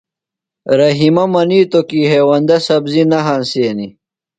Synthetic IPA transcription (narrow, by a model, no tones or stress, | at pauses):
ɾɐɦimɐmɐniːt̪okiːɦeːwɐnd̪ɐsɐbzinɐɦɐnseːni